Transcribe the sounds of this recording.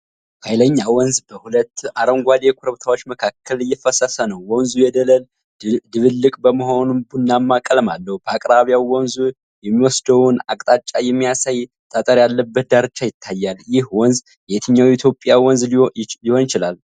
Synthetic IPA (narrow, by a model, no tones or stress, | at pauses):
hʰajləɲːawɔnzbəhulət̪ːaɾəŋɡʷad̪ekʰuɾəβt̪ʰawo̞t͡ʃːməkʰakʰːəlɨjːɛfəsəsənəwːɔnzujɛd̪ələl | d̪ɨβɨlːɨkʼbəməɦo̞nunbunːamːakʼəlmalːəhub̥əakʼɾaβjawwɔnzu | jɛmːiwɔsd̪əwuna̰kʼt̪ʼat͡ʃʼːajɛmːijasaj | t̪ʼət̪ʼəɾjalːəbːət̪̚d̪aɾɨt͡ʃːajɪt̪ʰːajːaljɪhwɔnz | jɛt̪ʰɨɲːawit̪ʰjo̞pʼjawɔnzliho̞njɪt͡ʃɪlal